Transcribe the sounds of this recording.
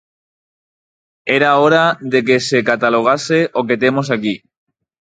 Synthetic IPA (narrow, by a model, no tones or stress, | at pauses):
eɾaoɾaðe̞k̬e̞se̞kat̪aloɣ̞aseʔoket̪e̞mo̞s̬aki